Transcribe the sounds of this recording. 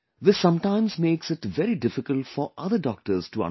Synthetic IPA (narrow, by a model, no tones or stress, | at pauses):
ðɪsːʌ̃mʈãɪ̃mzmeːksɪʈʋɛɾiɖɪfɪkəlʈfɔɾʔʌd̪əɖɔːk̚ʈəɾz̥ʈuã̰